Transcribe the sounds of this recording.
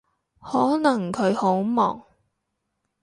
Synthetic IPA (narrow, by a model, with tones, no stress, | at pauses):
hɔː˨˥nɐ˨˩ŋkʰɵ˨˧ɥho˨˥wmɔː˨˩ŋ